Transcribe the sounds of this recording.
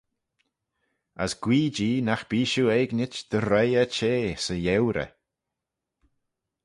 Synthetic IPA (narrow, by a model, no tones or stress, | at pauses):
ə̰sɡ̥wiːd͡ʒiːnaxb̥iːʃuɛːɡnɪt͡ʃd̪̥əɾejət͡ʃeːsəjɛwɾə̰